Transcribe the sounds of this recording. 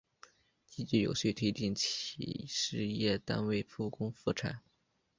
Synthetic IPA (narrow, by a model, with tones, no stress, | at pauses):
t͡ɕi˥t͡ɕi˥˩jo̰˨˩ʊɕwe˥˩ɪt̪ʰwe˥ɪt͡ɕi˥˩ŋt͡ɕʰḭ˨˧˩ʂɻ̩˥˧jɛ˥˩t̪a̰˥nwe˥˧ɪfʰu˥˩kʊ˥ŋfu˥˩ʈ͡ʂʰa̰˨˩˦n